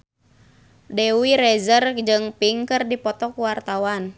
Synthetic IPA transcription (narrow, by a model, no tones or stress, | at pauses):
dɛwiɾɛzərd͡ʒɨŋpiŋkɨrdipɔt̪ɔkuwart̪awan